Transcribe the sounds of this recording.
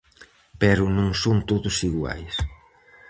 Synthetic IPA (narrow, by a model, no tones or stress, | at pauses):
pɛɾʊnõŋsoŋt̪oðʊsiɣwa̰js